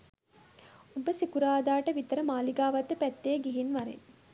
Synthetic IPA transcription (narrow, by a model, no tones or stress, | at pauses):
ubəsikuɾaːd̪aːʈəʋit̪əɾəmaːliɡaːʋɐt̪ːəpæt̪ːeɡeɦinʋaɾḛn